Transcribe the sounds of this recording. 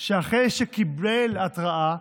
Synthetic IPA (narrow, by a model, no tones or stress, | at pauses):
ʃeaχejʃekibelat̪ʁaʔa